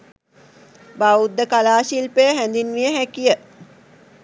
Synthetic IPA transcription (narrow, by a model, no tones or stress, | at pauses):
baud̪ːəkalaːʃilpəjəɦænd̪inʋijəɦækijə